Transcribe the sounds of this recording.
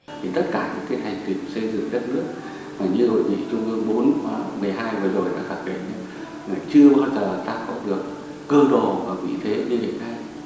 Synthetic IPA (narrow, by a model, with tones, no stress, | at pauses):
t̪ʰi˨˩t̪ə˦˥t̚kaː˧˩ɲa̰˧˥ŋkːaː˨˦jhʰa˨˩jŋ̟t̪i˨˩msə˧jzɨ̰˧˨ŋɗə˦˥t̚nɨ˦˥ək̚ | maː˨˩ɲɨ˧ho̰˧˨jɲḭ˧˩t͡ɕʊ˧ŋ͡mɨ˨˦ɓo˨˦nː˨˩mɨ˨˩əjɦaː˧jvəː˨˩zo˨˩jɗa̰ː˧˥xaː˧˩kkḛ˧˩n˧˦ | laː˨˩t͡ɕɨ˧əɓaː˧wzəː˨˩˨t̪aː˧kɔ˨˦ɗɨ˨˩ək̚ː | əː˧ɗo˨˩vaː˨˩vḭ˧˥t̪ʰe˨˦ɲi˧vḭ˧˨tna˧j